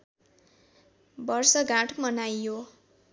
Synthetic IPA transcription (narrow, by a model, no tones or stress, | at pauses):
bʌrsʌɡãʈʰmʌnajo